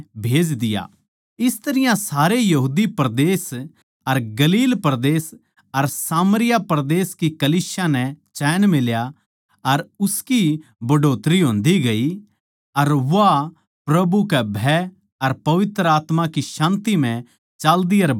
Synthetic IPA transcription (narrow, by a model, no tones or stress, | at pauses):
bʱeːd͡ʒd̪ɪja̰ | ɪst̪ɐɾɪjãsaːɾejɐɦuːd̪ipɐɾd̪eːs | ɐɾɡɐliːlpɾd̪eːs | ɐɾsaːmɾɪjapɐɾd̪eːskikɐliːsjanɛ̃t͡ʃɛːnmɪlja | ɐɾʊskibɐɖoːt̪ɾiɦõːnd̪iɡɐi | ɐɾʋa | pɾɐbukɛbʱɛ | ɐɾpɐʋɪt̪ɾəaːt̪makiʃãːnt̪im̤ɛ̃ | t͡ʃaːld̪iɐɾ